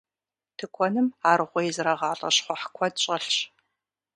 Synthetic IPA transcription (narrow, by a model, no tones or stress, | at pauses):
tʰɨkʷʰɔnɨmaːrɨʁʷɔjɛzɨrɐʁɑːɬʼɐ̰ɕχʷɔħkʷʰɔdɕʼɐɬɕ